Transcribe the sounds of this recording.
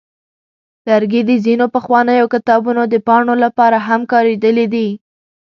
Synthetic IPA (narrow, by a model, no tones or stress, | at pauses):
laɾɡed̪əzinopəxwɑnəjokɪt̪ɑbunod̪əpɑɳolapɑɾaɦamkɑɾed̪əlid̪i